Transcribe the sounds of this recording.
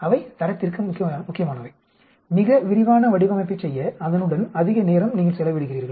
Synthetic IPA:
ɐʋɐɪt̪ɐɾɐt̪ːɪrkɯmʊkːɪmʊkːɪjɐmaːnɐʋɐɪ | mɪɣɐʋɪɾɪʋaːnɐʋɐɽɪʋɐmɐɪpːɐt͡ʃsɛjːɐɐðɐnɯɽɐnɐðɪɣɐneːɾɐmniːŋɡɐɭsɛlɐʋɪɽɯɣɪriːɾɣɐɭ

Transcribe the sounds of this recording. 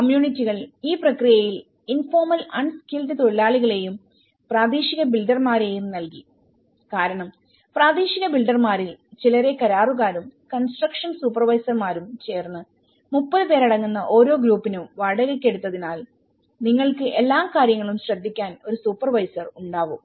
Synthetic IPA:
kɐmjuːɳitːiɣɐɭiːprɐkrijɐjil | info̞ːrmɐlɐɳskildɨt̪o̞ɭːaːɭiɣɐɭe̞jum | praːd̪iːɕiɣɐbilɖɐrmaːɾejumnɐlki | kaːɾɐɳɐm | praːd̪iːɕiɣɐbilɖɐrmaːɾilt͡ɕilɐɾe̞kɐɾaːruɣaːɾumkɐnsʈrɐkʂɐnsuːpːɐrʋɐjsɐrmaːɾumt͡ɕe̞ːrnːɨ | mupːɐðɨpe̞ːɾɐɽɐŋːunːɐʔo̞ːɾo̞ːɡɾuːpːinuʋɐɽɐɾekʲːe̞ɽut̪ːɐðinaːl | niŋːɐɭkɨʔe̞lːaːmkaːɾjɐŋːɐɭumɕrɐd̪ʱːikʲːaːno̞ɾusuːpːɐrʋɐjsɐruɳɖaːʋu

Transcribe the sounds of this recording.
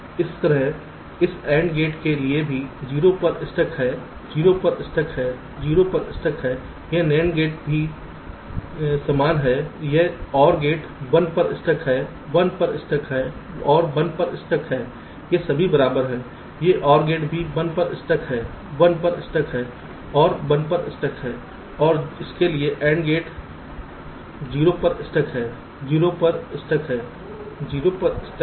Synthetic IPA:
ɪst̪əɾəɦ | ɪsɛ̃ːɳɖɡeːʈkeliebʱid͡ʒiːɾopɐɾɪsʈəkʰɦɛː | d͡ʒiːɾopɐɾɪsʈəkʰɦɛː | d͡ʒiːɾopɐɾɪsʈəkʰɦɛː | jenɛːnɡeːʈbʱi | sɐmaːnɦɛːjeɦɔːɾɡeːʈ | bɐ̃npɐɾɪsʈəkʰɦɛː | bɐnpəɾɪsʈəkʰɦɛːɔːɾbɐ̃npɐɾɪsʈəkʰɦɛː | jesɐbʱibɐɾaːbəɾɦɛː | jeʔɔːɾɡeːʈbʱibɐ̃npɐɾɪ̰sʈəkʰɦɛː | bənpɐɾɪsʈəkʰɦɛː | ɔːɾbə̃npəɾɪ̰sʈəkʰɦɛː | ɔːɾɪskelieʔɛ̃ːɳɖɡeːʈ | d͡ʒiːɾopɐɾɪsʈəkʰɦɛː | d͡ʒiːɾopəɾɪsʈəkʰɦɛː | d͡ʒiːɾopɐɾɪsʈə

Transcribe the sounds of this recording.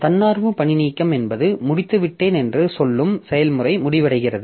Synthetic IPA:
t̪ɐnːaːɾʋɯpɐɳɪniːkːɐmɛnbɐðɯmʊɽɪt̪ːɯʋɪʈːeːnɛndrɯsɔlːɯmsɛjɐlmɯrɐɪmʊɽɪʋɐɽɐɪɣɪrɐðɯ

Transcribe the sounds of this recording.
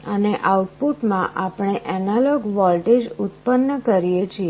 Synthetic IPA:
əneʔauʈ̚puʈmãʔapɽ̃eʔɛnalɔɡʋɔlʈed͡ʒut̪pənːəkəɾijet͡ʃʰie

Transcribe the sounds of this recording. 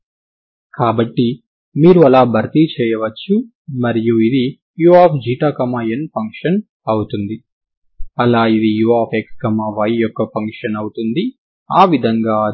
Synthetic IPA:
kaːbɐʈːi | miːɾuɐlaːbʱɐɾt̪it͡ʃɛːjɐʋɐt͡ʃːu | mɐɾijuid̪i | juaːpʰd͡ʒiːʈaːkɐmaːenpɐŋkʂɐn | ɐwut̪und̪i | ɐlaːid̪ijuaːpʰekskɐmaːʋɐjjɔkːɐpɐŋkʂɐnɐwut̪und̪i | aːʋid̪ʱɐŋɡaː

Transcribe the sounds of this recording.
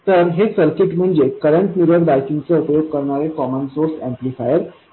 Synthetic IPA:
t̪əɾɦesəɾkiʈm̤əɳd͡zekəɾəɳʈmiɾəɾd̪ajkint͡seupjoɡ̚kəɾɳaɾekɔmənsoɾsẽmplifajəɾ

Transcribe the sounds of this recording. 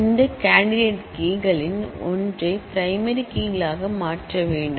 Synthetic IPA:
ndɐkaːɳɖɪɖeːʈkiːɡɐɭɪnɔ̰ndrɐɪpɾɐɪmɐɾikiːɡɐɭaːɣɐmaːʈrɐʋeːɳɖɯ

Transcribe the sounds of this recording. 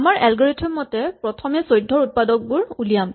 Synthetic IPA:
maɹʔɛlɡɔɹetʰɔmɔtɛpɹɔtʰɔmɛsojdʱːɔɹut̚padɔk̚bʊɹulijam

